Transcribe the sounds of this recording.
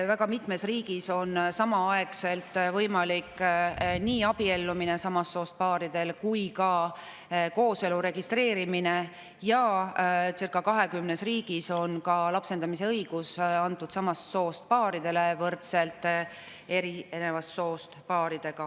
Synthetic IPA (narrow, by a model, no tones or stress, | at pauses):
væɡɑmit̪ˑme̞sriːɡ̥iso̞nsɑmɑɑe̞kse̞lt̪ˑvɤjmɑlikːniːɑb̥ie̞lːumine̞sɑmɑsːo̞ːst̪̚pɑːɾid̪̥e̞lkujkɑ | ko̞ːse̞luɾe̞ɡ̥ist̪re̞ːɾimine | jɑ | t̪sirkːˑɑkɑɦe̞kymnesriːɡ̥iso̞nkɑlɑpse̞nd̪ɑmise̞ɤjɡ̥usɑnt̪ːˑud̪̥sɑmɑsːo̞ːst̪̚pɑːɾid̪̥e̞le̞vɤrt̪se̞lt̪ːˑ | e̞ɾiene̞vɑsːo̞ːst̪pɑːɾid̪̥e̞ɡ̥ɑ